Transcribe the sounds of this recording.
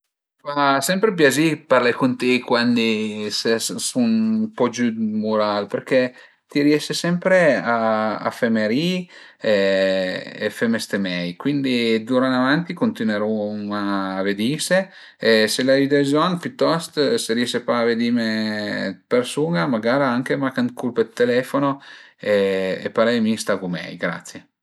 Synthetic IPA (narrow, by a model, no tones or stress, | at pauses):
fasɛmpɾep̬jaziparlakont̪ekwand̪isessunpɔd͡ʒud̪muɾalpeɾke | t̪iɾjɛʃesɛmpɾeaa̰femeɾi | e | ḛfemest̪emɛjkwind̪id̪uɾanavant̪ikont̪inweɾumaːved̪ise | eselavid̪ezɔnpjut̪ːɔst̪seɾjɛʃepaːved̪ime | persuŋamaɡaːɾaŋk̟emakand̪kulpet̪ːelɛfonoeḛpaɾɛjmist̪aɡumɛ̰jɡɾa̰t̪sje